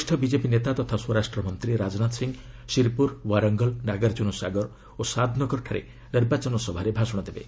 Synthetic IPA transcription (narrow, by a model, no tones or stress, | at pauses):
ʃʈʰɔbid͡ʒepinet̪at̪ɔt̪ʰasuɔɾasʈɾɔmɔnt̪ɾiɾad͡ʒɔnat̪siŋ | siɾpuɾwaɾɔŋɡɔlnaɡaɾd͡ʒunɔsa̰ɡɔɾ | osad̪ʱnɔkɔɾʈʰaɾḛ | neɾbat͡ʃɔnɔsɔbʱaɾebʱasɔɽ̃ɔd̪ebḛ